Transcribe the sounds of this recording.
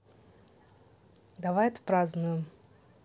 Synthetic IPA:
d̪avajɛt̪ə̥pɾaznʊjɪm

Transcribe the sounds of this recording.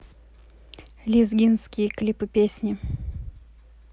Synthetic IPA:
lʲizɡʲinskʲɪjəklʲipɨpʲesʲnʲɪ

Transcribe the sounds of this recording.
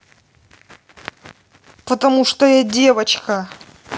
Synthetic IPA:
pət̪ɐmuʂt̪ojadʲe̞vət͡ɕkɐ

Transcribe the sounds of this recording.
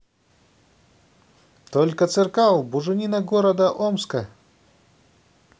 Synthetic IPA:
t̪olʲkət̪sɨrkalˠbʊʐɨnʲinɐɡoɾəd̪əʔomskə

